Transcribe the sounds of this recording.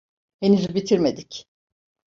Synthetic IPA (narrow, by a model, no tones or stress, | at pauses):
henizibit̪ʰiɾmed̪ic